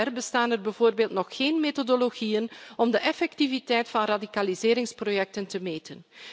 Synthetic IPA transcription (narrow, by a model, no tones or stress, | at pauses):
ɛrbəstaːnərbɛvoːrbeːlˠtnɔxxeːnmetodoloɣijənɔmdəʔɛfɛk̚tivitɛjtfɑnradikalizɪːɾɪŋsprojɛk̚təntəmeːtən